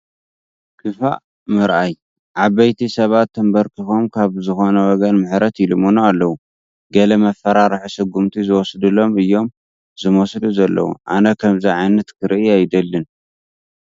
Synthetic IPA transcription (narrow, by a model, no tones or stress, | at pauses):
kʰɨfa̰ʔ | mɨɾʔaj | ʕaβɐjt̪ʰisɐβat̪ːɨmbɐɾkʰɨxomkʰaβzɨxo̞nɐwɔɡɐnmɨħɾɐt̪ɪlɨmonualːɐwu | ɡɐlɐmɐfːɐɾaɾɨħusɨɡumt̪ʰizɨwɔsd̪ɨlo̞mɨjːo̞m | zɨmosd̪uzɐlːɐ̰wṵʔa̰nɐkʰɐmziʕajnɐt̪kʰɨɾiajd̪ɐlːɨn